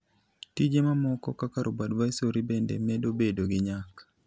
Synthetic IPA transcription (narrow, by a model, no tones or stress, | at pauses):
tid͡ʒemamɔkɔkakaɾobadvaisoɾibendḛmɛdobedoɡɪɲak